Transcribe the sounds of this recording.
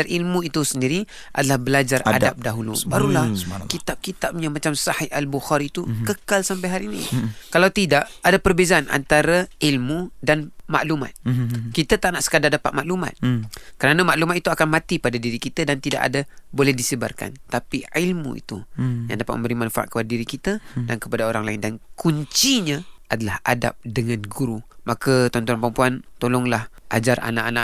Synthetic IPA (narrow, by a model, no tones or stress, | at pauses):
arʔilmuit̪usəndiɾi | ʔa̰dalahbəlad͡ʒara̰dap̚daɦulṵbaɾulahkit̪ap̚kit̪ap̚ɲamat͡ʃamsahialbuxaɾiːt̪ukəkalsampajɦaɾiːnḭkalawt̪idaʔadapərbezaanʔa̰nt̪aɾailmudanma̰ʔluma̰t̪̚kit̪ət̪aʔnaʔsə̥kadardapat̪̚maʔluma̰t̪̚kəɾanamaʔlumat̪̚it̪uakanmãt̪ipadadiɾikit̪adant̪ida̰ʔa̰dabolɛhdisəba̰rka̰nt̪apiilmṵḭt̪uja̰ŋdapat̪̚məmbəɾimanfa̰ʔa̰kəpadadiɾikit̪ədankəpadaoɾaŋlaɪndankuɲt͡ʃiɲaʔadalaha̰da̰p̚dəŋanɡuɾumakat̪ɔnt̪uanpɾəmpuant̪olɔŋlahʔa̰d͡ʒarʔa̰naʔanaʔ